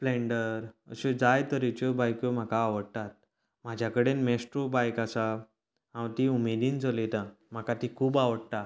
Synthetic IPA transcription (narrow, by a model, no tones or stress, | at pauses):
plẽɳɖəɾə̰ɕed͡zajt̪əɾit͡ɕobajkjom̤akaːʋəɽt̪at̪̚ | m̤ad͡ʑʱjakəɽenmesʈɾobajkasa | ɦãwt̪iumed̪iːnt͡səlet̪ã | m̤akat̪ikʰuːbaʋəɽt̪a